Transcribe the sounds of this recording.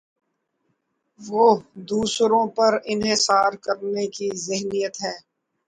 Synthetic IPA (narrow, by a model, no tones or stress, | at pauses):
ʋoːd̪uːsɾõpɐɾɪnɦɪsaːɾkəɾnekizɪɦnijət̪ɦɛː